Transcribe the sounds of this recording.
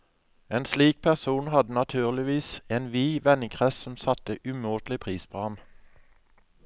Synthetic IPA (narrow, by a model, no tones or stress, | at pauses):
eːnsliːk̚pʰæʁsuːnhɑd̪ənɑt̪ʰʉːʁlɪʋiːseːnʋiːʋɛnɪŋkʰʁɛssɔm̩sɑt̪əʔʉmuːt̪lɪpʰʁiːspʰoːhɑm